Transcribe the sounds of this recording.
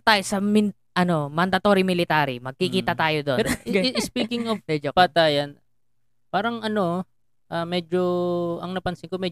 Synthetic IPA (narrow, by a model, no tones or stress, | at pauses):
ɐt̪aːjosɐmɪ | ʔɐno̞mɐnd̪ɐt̪o̞ɾɪmɪlɪt̪aːɾɪmɐɡ̚kikiːt̪ɐt̪aːjod̪oɛɪspiːkɪŋovmɛd͡ʒopaːt̪ajɐn | paːɾɐŋɐno̞ | ʔamɛːd͡ʒoɐŋnɐpɐnsɪŋkomɛ